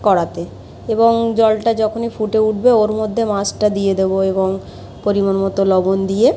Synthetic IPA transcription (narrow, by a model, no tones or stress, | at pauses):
kɔɽat̪e | eboŋd͡ʑɔlʈad͡ʑɔkʰonifʰuʈeuʈʰbeoɾmod̪ʱːemãsʈad̪ijed̪eboeboŋ | poɾimanmɔt̪olɔbond̪ije